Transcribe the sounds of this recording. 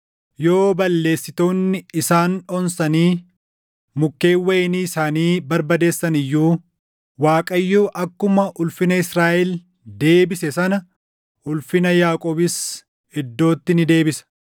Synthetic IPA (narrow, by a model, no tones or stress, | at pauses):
jo̞ːbɐlːe̞ːsːɪt̪o̞ːnːɪɪsaːnɔnsɐniː | mʊkːe̞ːwːɐʔɛniːɪsaːniːbɐɾbɐd̪e̞ːsːɐnɪjːuː | waːkʼɐjːuːʔɐkːʊmɐʔʊlfɪnɐɪsɾaːʔɛl | d̪e̞ːbɪsɛsɐnɐ | ʊlfɪnɐjaːkʼoːbɪs | hɛd̪ːo̞ːt̪ːɪnɪd̪e̞ːbɪsɐ̥